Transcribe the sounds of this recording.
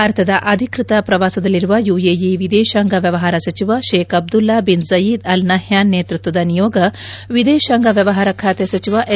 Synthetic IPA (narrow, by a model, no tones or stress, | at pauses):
aːɾt̪ʰɐd̪ɐʔɐd̪ʱikɾit̪ɐpɾɐʋaːsɐd̪ɐlːiɾuʋɐjuːjeːjeʋid̪eːʃaːŋɡɐʋjɐʋɐɦaːɾɐsɐt͡ʃiʋɐʃeːkɐb̚d̪ulːaːbinzɐjiːd̪ɐlnɐɦjaːnːeːt̪ɾut̪ʋɐd̪ɐnijɔːɡɐ | ʋid̪eːʃaːŋɡɐʋjɐʋɐɦaːɾɐkʰaːt̪esɐt͡ʃiʋɐʔe